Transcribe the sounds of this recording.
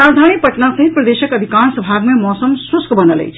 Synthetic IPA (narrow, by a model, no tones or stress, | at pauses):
ad̪ʱanipəʈnasəɦit̪̚pɾəd̪eʃəkəb̪ʱikansəbʱaɡmemɔsəmsuskʰbənələ̰jt͡ʃʰ